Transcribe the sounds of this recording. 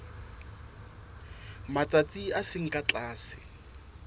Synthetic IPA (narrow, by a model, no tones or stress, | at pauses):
mat͡sʼat͡sʼiasɪŋ̩kʼat͡ɬʼaːsɪ̥